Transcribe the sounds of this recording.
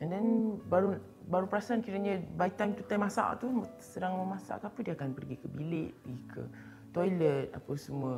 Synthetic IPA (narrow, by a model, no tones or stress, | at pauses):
andanbaɾu | baɾupəɾasankiɾəɲə̃bait̪ant̪ut̪ajmasa̰ʔʔt̪um | sədaŋməmasa̰ʔkapədiakanpərɡikəbilɪʔdikʰə̰ | t̪ojlət̪̚a̰pəsəmuwə